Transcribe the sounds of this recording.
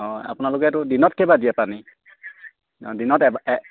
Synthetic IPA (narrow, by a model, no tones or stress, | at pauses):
ɔa̰pʊnalʊkɛatʊdinɔt̚kʰɛbadijapani | dinɔtɛb